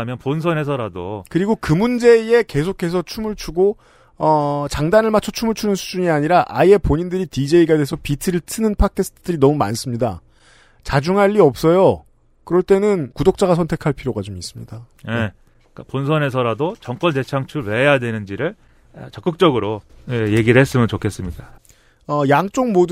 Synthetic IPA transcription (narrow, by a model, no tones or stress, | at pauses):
mjʌnponsʰʌne̞sʰʌɾado̰kɯɾiɡokɯmund͡ʑe̞je̞ke̞sʰokʰe̞s̬ʰʌt͡ɕʰumɯɭt͡ɕʰuɡo | ʌt͡ɕaŋdanɯɭmat͡ɕʰʌt͡ɕʰumɯɭt͡ɕʰunɯnsʰud͡ʑuɲiaɲiɾaʔa̰ie̞poɲindɯɾitid͡ʑe̞iɡadwesʰʌpitʰɯɾɯɭtʰɯnɯnpʰakʰe̞s͈ʰɯ̥tʰɯdɯɾinʌmuma̰ns͈ɯmɲida̰ | t͡ɕad͡ʑuŋɦaʎːiʌp̚s͈ʌjo | kɯɾʌɭt͈e̞nɯnkudok̚t͡ɕ͈aɡasʰʌntʰe̞kʰaɭpʰiɾjoɡat͡ɕomis͈ɯmɲḭd̥a | je | k͈aponsʰʌnɦe̞sʰʌɾadot͡ɕʌŋkwʌnte̞t͡ɕʰaŋt͡ɕʰuɾwe̞ɦejadwe̞nɯnd͡ʑiɾɯɭ | t͡ɕʌk͈ɯk̚t͡ɕ͈ʌɡɯɾoje̞jeɡiɾɯɭhes͈ɯmjɯnt͡ɕokʰe̞s͈ɯmɲiɡa | ʌjaŋt͡ɕ͈oŋmod